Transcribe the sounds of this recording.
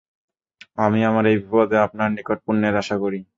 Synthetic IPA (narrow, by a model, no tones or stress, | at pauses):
amiamaɾejbʱipad̪eapnaɾnikoʈ̚punːeɾaʃakoɾi